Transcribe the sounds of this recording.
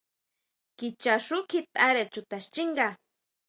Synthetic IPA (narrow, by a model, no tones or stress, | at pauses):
kit͡ʃaʂʊkʰit̪ʼaɾet͡ʃʊt̪aʃt͡ʃiŋɢa